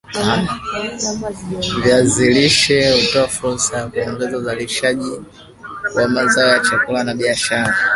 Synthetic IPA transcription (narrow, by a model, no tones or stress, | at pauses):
a | vjaziliʃɛutɔafuɾsajakuɛŋɡɛzauzaliʃaʄi | wamazaɔjat͡ʃakulanaɓiaʃaɾa